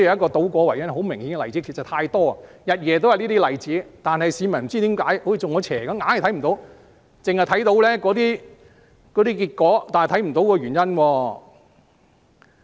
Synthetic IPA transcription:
jkɔː˧t̪o˨˥wkʷɔː˨˧wɐ˨˩jɐ˥nhɦo˨˥wmɪ˨˩ŋhi˨˥nkɛ˧lɐ˨jt͡siː˨˥kʰi˨˩t͡sɐ˨˩t̪ʰaː˧jt̪ɔː˥ɐ˨jɐ˨t̚jɛː˨t̪o˥wjɐ˨˧niː˥t̪iː˥lɐ˨jt͡siː˨˥t̪aː˨nhɐ˨jsiː˨˧mɐ˨˩nm̩˨˩t͡siː˥t̪iː˨˥mkaː˨˥jho˨˥jiː˧˩t͡sʊ˨ŋɔː˨˧t͡ɕʰɛː˨˩kɐ˨˥mŋaː˨˥nhɐ˨˩t̪ʰɐ˨˥jm̩˨˩t̪o˨˧˥w | t͡sɪ˨ŋhɐ˨jt̪ʰɐ˨˥jt̪o˨˥wlɛː˥kɔː˨˥t̪iː˥ | kɔː˨˥t̪iː˥kiː˧t̚kɔː˨˥t̪aː˨n˨jt̪ʰɐ˨˥jm̩˨˩t̪o˧˥wkɔː˧ɥyː˨˩njɐ˥nwɔː˧

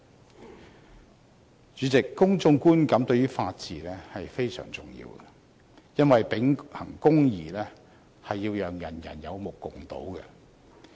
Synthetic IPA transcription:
t͡ʃyː˨˥t͡sɪ˨kːʊ˥ŋt͡sʊ˧ŋkuː˥nkɐ˨˥mt̪ɵ˧ɥjyː˥faː˧t̚t͡siː˨lɛː˥hɐ˨jfe˥jsœ̰ː˨˩ŋt͡sʊ̰˨˩ŋjḭː˧wɡɛ˨ | jɐ˥nwɐ˨jpɪ˨˥ŋhɐ̰˨˩ŋkʊ˥ŋjiː˨lɛː˥ | hɐ˨jːiː˧wjœː˨˧ŋjɐ˨˩njɐ̰˨˩njɐ˨˧wmʊ˨˩kːʊ˨˩ŋt̪o̰˨˥wɡɛ̰˧

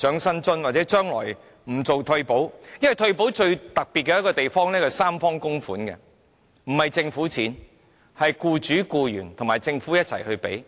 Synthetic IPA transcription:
t͡ʃœː˨˥ŋsɐ˥nt͡sɵ˥nwaː˨t̚t͡sɛː˨˥t͡ʃœː˥ŋlɔ̰ː˨˩j | m̩˨˩t͡so˨wt̪ʰɵ˧ɥpo˨˥wjɐ˥nwɐ˨jt̪ʰɵ˧ɥp̬o˨˥wt͡ʃɵ˧ɥt̪ɐ˨k̚piː˨t̚kːɛ˧jɐ˥kːɔː˧t̪e˨jfɔː˥ŋnlɛː˥kɐ˨˩saː˥mfɔː˥ŋkʊ˥ŋfuː˨˥nkɛ̰˧ | m̩˨˩hɐ˨jt͡sɪ˧ŋfuː˨˥t͡sʰiː˨˥n | hɐ˨jkuː˧t͡ʃyː˨˥kuː˧jyː˨˩nt̪ʰʊ˨˩ŋmaː˨jt͡sɪ˧ŋfuː˨˥jɐ˥t̚t͡sʰɐ˨˩jhɵ˧ɥpḛ˨˥j

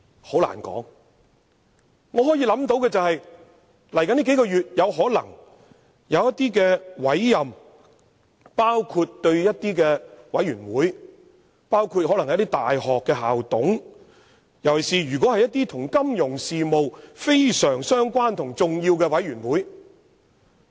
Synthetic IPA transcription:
ho˨˥wla̰ː˨˩nkɔ̰ː˨˥ŋ | ŋɔː˨˧ɦɔː˨˥jiː˨˧˥lɐ˨˥mt̪o˨˥wkɛː˧t͡sɐ˨whɐ˨j | lɐ˨˩jkɐ˨˥nliː˥ke˨˥jkɔː˧jyː˨t̚jɐ˨˧wɦɔː˨˥lɐ̰˨˩ŋ | jɐ˨˧wjɐ˥t̚t̪iː˥k̬ɛː˧wɐ˨˥jːɐ˨m | paː˥wkʰuː˧tt̪ɵ˧ɥjɐ˥t̚t̪iː˥kɛː˧wɐ̰˨˥jɥyː˨˩nwuː˨˥j | paː˥wkʰu˧t̚hɔː˨˥lɐ˨˩ŋɐ˨˧˥t̪i˥t̪aː˨jhɔː˨kːɛː˧ɦa̰ː˨wt̪ʊ̰˨˥ŋ | jɐ˨˩wsiː˨˩jyː˨˩kɔ˨˥hɐ˨jɐ˥t̚t̪iː˥t̪ʰʊ˨˩ŋkɐ˥mjʊ˨˩ŋsiː˨mo˨wfe˥jsœː˨˩ŋsœː˥ŋkʷaː˥nt̪ʰʊ˨˩ŋt͡sʊ˨ŋjiː˧wkɛː˧wɐ˨˥jyː˨˩nwuː˨˥j

